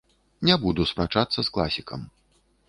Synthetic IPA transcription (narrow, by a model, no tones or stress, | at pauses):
nʲabud̪uspɾat͡ʂat̪sːɐsklˠasʲikɐm